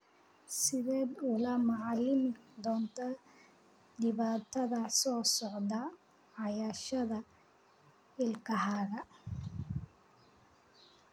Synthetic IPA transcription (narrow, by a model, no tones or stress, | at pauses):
sɪðɛːd̪ʊlɐmɑʕɑlɪnd̪ɔːnt̪ʰɐ | ɖ̪ɪβaːt̪ʰɐðɐsɔːsɔʕd̪ɐ | ʕɑjaːʃɐðɐ | ɪlkʰɐhaːɣɐ